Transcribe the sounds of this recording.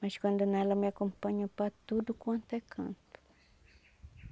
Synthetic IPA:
maskwãnd̪onalameakompaɲopat̪ud̪ukwãnt̪ekʰã̰nt̪u̥

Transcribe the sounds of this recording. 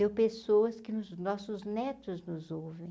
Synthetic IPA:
ewpesowɐskɪnʊznɔsʊznɛt̪ʊznʊzowvẽj̃

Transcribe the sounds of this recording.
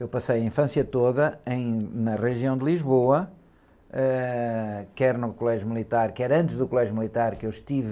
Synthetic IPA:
ewpɐsejɐĩfɐ̃sjɐt̪oðɐẽj̃nɐʁɨʒiɐ̃w̃d̪ɨlˠiʒβoɐ | ɛ | kɛɾnukulˠɛʒjumlˠit̪aɾkɛɾɐ̃nt̪ʒðukulˠɛʒjumlˠit̪aɾkewʃt̪iv

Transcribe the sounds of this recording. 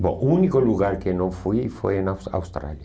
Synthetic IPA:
bõ̰ʔunikoluɣaɾkenõfwifwḛenawa̰wst̪ɾa̰lja

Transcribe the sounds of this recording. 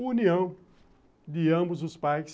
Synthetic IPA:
uniɐ̃w̃ | d̪ɪɐ̃bʊzʊspajs

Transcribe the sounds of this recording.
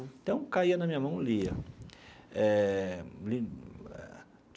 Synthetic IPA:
t̪ɐ̃w̃kaiɐnɐmĩɲɐmɐ̃w̃liɐ̰ | ɛ | liɛ̰

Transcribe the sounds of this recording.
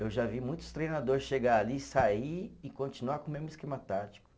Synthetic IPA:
ewʒavimũj̃t̪ʊ̥st̪ɾejnad̪oɾɪsʃeɡaalisaiɪkõnt͡ʃinuakõmẽzmʊiskemɐt̪at͡ʃi̥kʊ̥

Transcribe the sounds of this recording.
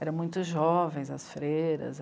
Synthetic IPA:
ɛɾɐ̃mũj̃t̪ʊzʒɔvẽj̃zɐsfɾejɾɐ̰z

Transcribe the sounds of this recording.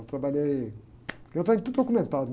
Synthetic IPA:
t̪ɾɐbɐʎej | ewt̪ẽɲut̪ud̪okumẽnt̪aɾun

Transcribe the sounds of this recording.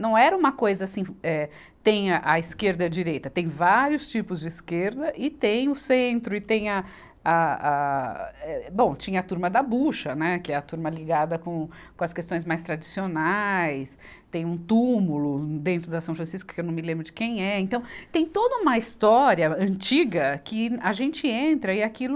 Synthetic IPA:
nɐ̃w̃ɛɾɐũmɐkojzɐasĩɛ | t̪ẽj̃ɐʔɐiskeɾd̪ɐd͡ʒiɾejt̪ɐt̪ẽj̃vaɾiʊst͡ʃipʊzd͡ʒɪːskeɾd̪ɐʔɪt̪ẽj̃ʊsẽnt̪ɾʊɪt̪ẽj̃ɐ | aa | ɛbõw̃t͡ʃĩɲɐːt̪uɾmɐd̪ɐbuʃɐnɛkɪɛɐt̪uɾmɐliɡad̪ɐkõ | kõɐskest̪õj̃zmajst̪ɾad͡ʒisionajs | t̪ẽj̃ũt̪umulʊd̪ẽnt̪ɾʊd̪ɐsɐ̃w̃fɾɐ̃siskʊ̥kɪewnɐ̃w̃mɪlẽmbɾʊd͡ʒɪkẽj̃ɛẽnt̪ɐ̃w̃t̪ẽj̃t̪od̪ɐũmɐist̪ɔɾiɐɐ̃nt͡ʃiɡɐkɪaʒẽnt͡ʃɪẽnt̪ɾɐɪakilʊ

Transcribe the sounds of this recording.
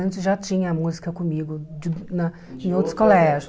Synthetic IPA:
ɐ̃nt͡ʃɪʒat͡ʃĩɲɐmuzikɐkõmiɡʊd͡ʒɪnɐ | ẽj̃owt̪ɾʊskolɛʒʊ

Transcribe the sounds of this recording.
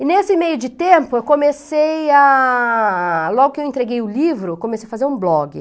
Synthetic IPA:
ɪnesɪmejʊd͡ʒɪt̪ẽmpʊewkõmeseja | lɔɡʊkɪewẽnt̪ɾeɡejʊlivɾʊkõmesejafazeɾũblɔɡɪ̰

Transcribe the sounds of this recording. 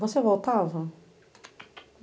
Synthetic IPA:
vosevowt̪avɐ

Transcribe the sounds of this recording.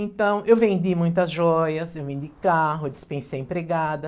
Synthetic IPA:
ẽt̪ɐ̃w̃ʔewvẽnd̪imũj̃t̪ɐzʒɔjɐsewvẽnd̪ikaɦʊd͡ʒɪspẽsejẽpɾeɡad̪ɐ

